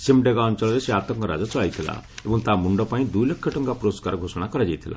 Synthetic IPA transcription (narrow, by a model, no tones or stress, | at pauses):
simɖeɡaɔnt͡ʃɔlɔɾeseat̪ɔŋkɔɾa̰d͡ʒɔt͡ʃɔɭajt̪ʰila̰ebɔŋt̪amuɳɖɔpaĩd̪ujlekʰːjɔʈɔŋɡapɾoskaɾɔɡʱosɔɽ̃akɔɾad͡ʒajt̪ʰila̰